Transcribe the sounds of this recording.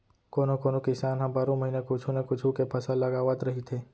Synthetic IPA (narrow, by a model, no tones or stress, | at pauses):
koːnokoːnokɪsaːnɦãbaːɾõməɦiːnekʊt͡ʃʰunekʊt͡ʃʰũkepʰɐsalɐɡaːʋat̪ɾɐɦit̪ʰeː